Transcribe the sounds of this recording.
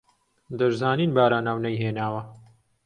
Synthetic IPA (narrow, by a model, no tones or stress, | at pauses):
d̪ɐɾzaːniːnbaːɾaːnaːwnɐjɦeːnaːwɐ